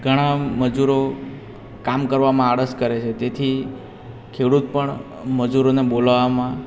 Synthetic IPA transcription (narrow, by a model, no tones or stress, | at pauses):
ɡʱəɽ̃aməd͡ʒuɾo | kamkəɾʋamãaɽəskəɾet͡ʃʰet̪et̪ʰi | kʰeɽut̪̚pəɳ | məd͡ʒuɾonebolʋamã